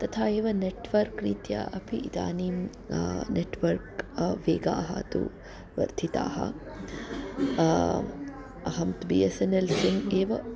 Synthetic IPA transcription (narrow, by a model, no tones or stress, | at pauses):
t̪ɐt̪ʰaːeːʋɐneʈʋɐɾkɾiːt̪ja̰ʔɐpʰiʔːd̪a̰ːni | neʈʋɐɾkʋeːɡaːɦɐ̰t̪ṵ | ʋɐ̰ɾd̪ʰʱit̪a̰ːɦɐ̰ | ɐɦɐmt̪biːesenelsiŋɡeːʋɐ